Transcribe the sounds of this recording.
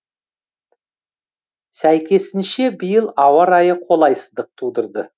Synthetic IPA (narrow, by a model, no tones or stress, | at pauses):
sæjkʲe̞sɪnʃe̞bijəlˠɑwɑɾɑjəqʰo̞lˠɑjsəzd̪əq̚t̪ʰud̪əɾd̪ə